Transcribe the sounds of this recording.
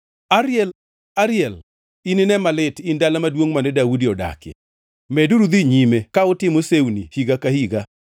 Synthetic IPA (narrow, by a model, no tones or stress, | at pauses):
aɾɪɛl | aɾɪjɛl | ininɛmalɪtindalamadwoŋmanɛdawudiɔda̰kɛ̰ | mɛduɾud̪iɲimekaʊtɪmosewnihiɡakahiɡa